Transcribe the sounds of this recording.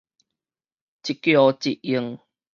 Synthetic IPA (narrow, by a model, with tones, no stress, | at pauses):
t͡ɕi˨kjɔ˧t͡ɕi˧t̚i˧ŋ